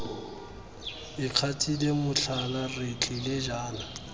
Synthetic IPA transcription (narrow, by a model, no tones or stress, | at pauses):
ɪkʰatʰʼilemʊɬʰalarɪt͡ɬʰɪleʒaːna